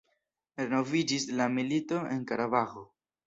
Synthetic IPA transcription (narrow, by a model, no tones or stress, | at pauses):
ɾe̞no̞vid͡ʒislamilito̞e̞nkaɾabaxo̞